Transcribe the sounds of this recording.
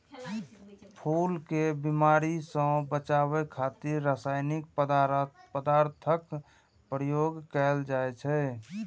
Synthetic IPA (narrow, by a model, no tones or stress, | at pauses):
pʰulkebimaːɾisə̃bət͡ʃaβɛkʰat̪iɾːasaɪnɪk̚ | pəd̪aɾt̪ʰək | pɾəjoɡkɛld͡ʒaɛt͡ʃʰɛ